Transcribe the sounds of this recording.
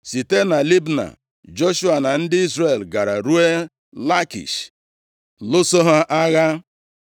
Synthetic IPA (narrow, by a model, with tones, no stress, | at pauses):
si˨te˦na˨li˦bna̰˨ | d͡ʒo˦ʃu˦a˨na˨n̩˦dɪ˦i˦zɾe˨lɡa˨ɾa˨ɾu˦e˦ | la˦kḭ˨ʃ | lʊ˦so˦ɦa˦ʔa˦ɣa˦